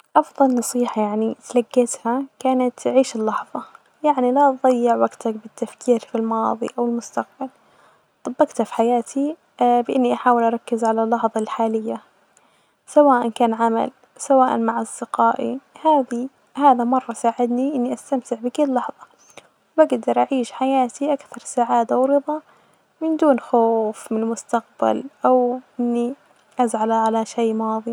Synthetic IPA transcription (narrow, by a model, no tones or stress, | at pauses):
ʔɑfðˤɑlnɑsˤiːħɑjaʕnit̪laɡːeːt̪hakaːnat̪ʕiːʃɪlːɑħðˤɑ | jaʕnilaʔðˤɑjːɪʕwaɡt̪ak̚bɪt̪ːafkʰiːɾfilmɑːðˤḭʔawɪlmʊst̪aq̚bal | t̪ˤɑbːɑɡt̪hafi̥ħajaːt̪ʰi | bɪʔɪnːiʔaħaːwɪlʔɑɾˤɑkːɪzʕalalːɑħðˤɑlħaːlɪjːa | sawaːʔankaːnʕama̰l | sawaːʔa̰nmaʕʔɑsˤd̪̥ɪqɑːʔḭhaːði | haːðamɑrˤːɑsaːʕɪd̪niʔɪnːiʔast̪amt̪ɪʕbɪkɪlːɑħðˤɑ | wbaɡd̪ɑɾˤʔaʕiːʃħajaːt̪iʔakθɑɾˤsaʕaːd̪awɾɨðˤɑ | mɪnd̪uːnxoːfmɪnɪlmʊst̪aq̚ba̰lʔawʔɪnːi | ʔazʕalaʕalaʃajːmɑːðˤi